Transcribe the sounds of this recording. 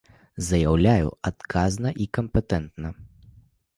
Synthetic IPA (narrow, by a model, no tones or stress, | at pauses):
zɐjawlʲajṵat̪kʰaznɐʔikɐmpɛt̪ɛnt̪nɐ